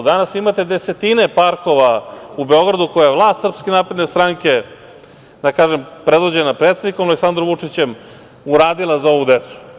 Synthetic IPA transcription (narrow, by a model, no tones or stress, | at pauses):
d̪anasimat̪e̞d̪ese̞t̪inepaɾko̞ʋaube̞o̞ɡɾad̪ukojajlˠaːst̪sr̩pske̞naːpɾe̞d̪ne̞st̪ɾaŋke̞ | d̪akaːʒempɾe̞d̪ʋo̞d͡ʑe̞napɾet̪sed̪nikomaleksand̪ɾomʋut͡ʂit͡ɕem | uɾaːd̪ilˠazao̞ʋud̪e̞t̪su̥